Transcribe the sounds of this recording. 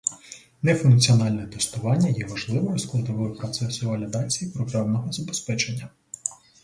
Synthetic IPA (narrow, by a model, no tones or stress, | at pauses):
nɛfʊnk̚t͡sʲiɔnɑlʲnɛt̪est̪ʊʋɑnʲːɐjɛʋɐʒlˠɪʋɔɔsklˠɐd̪ɔʋɔjpɾɔt̪sɛsʊʋɐlʲid̪ɑt͡sʲijipɾɔpɾɛwnɔɦɔzɐbespɛt͡ʃenʲːɐ